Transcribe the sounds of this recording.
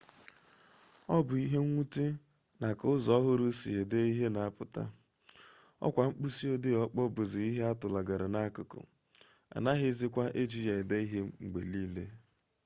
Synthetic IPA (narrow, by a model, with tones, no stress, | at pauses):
ɔ˦bʊ˨i˦ɦe˦ŋʷu˦ti˦ | na˨kʊ˦zɔ˨˦ɦʊ˦ɾʊ˦sḭ˨ɦe˨de˦i˦ɦe˦na˨a˦pʊ˨ta̰˦ | ɔ̰˦kʷa˨ŋ͡m̩˦k͡pu˦si˦o˦dɪ˦ɔ˦k͡pɔ˦bʊ˨zɪ˨i˦ɦe˦a˦tʊ˨la˨ɡa˨ɾɪ˨na˦kʊ˨kʊ̰˨ | a̰˨na˦ɦɪ˦zɪ˦kʷa˦ʔe˦d͡ʒi˦je˨ɪ˨de˦i˦ɦe˦ŋ͡mŋ͡m̩˨ɡ͡be˨li˦le˦